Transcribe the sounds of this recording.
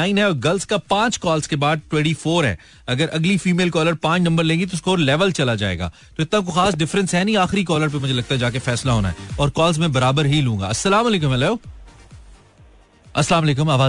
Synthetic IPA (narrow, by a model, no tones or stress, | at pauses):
aːɪnɦɛɔːɾɡɐlskapãːt͡ʃkɔːlzkebaːd̪̚ʈwɛ̃ːɳʈifoːɾɦɛ̰ː | ɐɡəɾʔɐɡlifiːmeːlkɔːləɾpãːt͡ʃnɐ̃mbəɾlẽːŋɡit̪oʊskooːɾlɛːʋəlt͡ʃɐlad͡ʒa̰ːḛːɡa̰ː | t̪oɪt̪nãk̬oxaːsɖɪfɾə̃nsɦɛnĩaːxɪɾikɔːləɾp̬emʊd͡ʒʱelɐɡ̚t̪aɦɛd͡ʒaːkefɛːslaɦoːna̰ɦɛ̰ːɔːɾkɔːlzmẽbɐɾaːbəɾɦilũːŋɡa̰ːɐsːɐlaːmɐleːkʊ̃mɛlao | ɐslaːmɐleːkʊ̃maːʋaː